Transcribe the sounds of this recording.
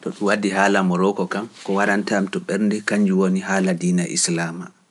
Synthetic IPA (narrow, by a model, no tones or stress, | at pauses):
tɔɓiwadiɦaːlamɔɾɔkɔkamkɔwaɾantamtɔɓɛɾndɛkaɲd͡ʒuwonihaːladiːnaʔḭslaːma